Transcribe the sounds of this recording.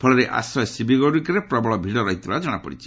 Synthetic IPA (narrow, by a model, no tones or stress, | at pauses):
pʰɔɭɔɾeʔa̰sɔjɔsibʱiɡɔɽikɾepɾɔbɔɭɔbʱiɽɔɾɔɦit̪ʰibad͡ʒɔɽ̃apɔ̰ɽit͡ʃʰi̥